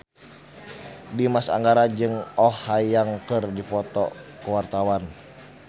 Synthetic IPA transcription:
dimasa̰ŋɡaɾad͡ʒɨŋɔhajaŋkɨrdipɔt̪ɔ̰kuwart̪awan

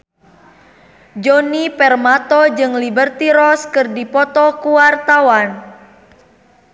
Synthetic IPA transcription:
d͡ʒonipɛrmat̪ɔd͡ʒɨŋlibərt̪iɾɔskɨrdipɔt̪ɔkuwart̪awan

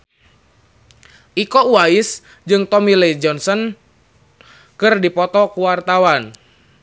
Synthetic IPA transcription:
ʔikɔwaɪs | d͡ʒɨŋt̪ɔmiled͡ʒɔnsɔn | kɨrdipɔt̪ɔkuwart̪awan

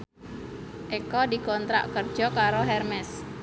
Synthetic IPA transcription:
ʔekɔdikɔnt̪ɾa̰ʔkərd̥ʒ̥ɔ̤kaɾoɦɛrmɛs

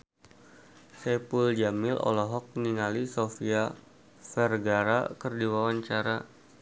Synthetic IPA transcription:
sɛpuld͡ʒamɪlʔɔ̰lɔɦɔk̚niŋalisofia | fɛrɡaɾa̰kərdiwawaɲt͡ʃaɾa

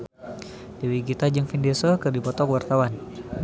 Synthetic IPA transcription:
diwiɡit̪ad͡ʒɨŋfindesɔkɨrdipɔt̪ɔkwart̪awan

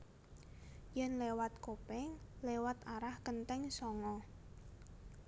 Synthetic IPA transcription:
jɛnlewat̪̚kopɛŋlewat̪aɾahkənt̪ɛŋsɔŋɔ

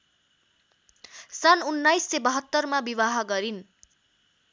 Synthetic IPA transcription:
sanunːajsːebʌɦʌt̪ːʌrmabiβaɦʌɡʌɾin

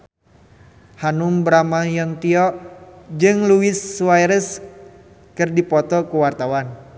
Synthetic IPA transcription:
hanumbɾamajɔnt̪iɔʔd͡ʒɨŋluisuwajɾəs | kɨrdipɔt̪ɔkuwart̪awan

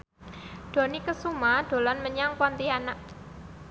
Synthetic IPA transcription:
ɖ̥o̤nikəsumaɖ̥o̤lɔnməɲaŋpɔnt̪ianaʔ

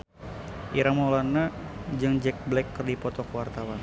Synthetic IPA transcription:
ʔiɾamolanːad͡ʒɨŋd͡ʒɛk̚blɛkːərdipɔt̪ɔkwart̪awan

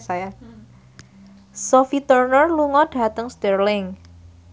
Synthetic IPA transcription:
saja | sofit̪ərnərluŋɔɖ̥a̤t̪əŋst̪ɛrlɪŋ

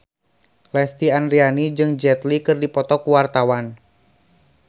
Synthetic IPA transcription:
lɛst̪ianrianid͡ʒɨŋd͡ʒɛt̪likɨrdipɔt̪ɔkuwart̪awan

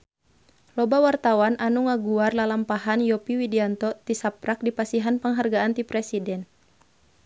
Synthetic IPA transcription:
lɔbawart̪awananuŋaɡuarlalampaɦanjɔpiwidiant̪ɔt̪isapɾak̚dipasiɦanpəŋɦarɡaant̪ipɾɛsidɛn

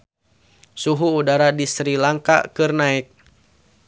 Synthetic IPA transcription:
suɦuːdaɾadisɾilaŋka̰kɨrnaik̚

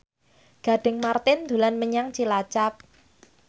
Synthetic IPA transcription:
ɡ̥a̤ɖ̥ɛ̤ŋmart̪ɪnd̪̥ulanməɲaŋt͡ʃilat͡ʃap̚

